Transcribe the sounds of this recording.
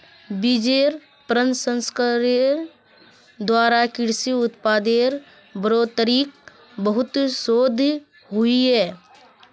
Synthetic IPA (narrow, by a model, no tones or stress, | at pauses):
bid͡ʒeɾ | pɾə̃nsə̃nskəɾe | d̪waːɾakɪɽsiʊt̪paːd̪eɾ | bəɾoːt̪əɾiːk̚ | bəɦʊt̪soːd̪ʱ | ɦʊiɦɛː